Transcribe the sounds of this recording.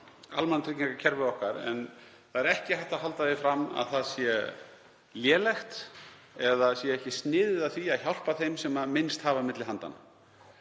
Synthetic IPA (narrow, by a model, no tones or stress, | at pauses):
a̰lmant̪ʰɾicɲiŋkacʰɛɾvɪðɔhkaɾɛ̰n | θaðɛɾɛhcɪhajht̪aɦalt̪avɪfɾamːa̰ðθaðsjɛ | ljɛːlɛxt̪ | ɛðasjɛɛhcɪst̪nɪːðɪðaθviaðçawl̥paθejmsɛmaðmɪnst̪haːvamɪt̪lɪɦant̪a̰na̰